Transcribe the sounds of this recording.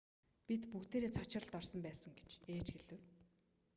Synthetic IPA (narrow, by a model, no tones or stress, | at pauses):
pʲit̪pukt̪eːɾeːt͡sʰɔt͡ɕɪ̆rə̆ɮt̪ɔrsɞ̆mpæːsə̆ŋɡe̥t͡ɕeːt͡ɕxeɮɘ̆w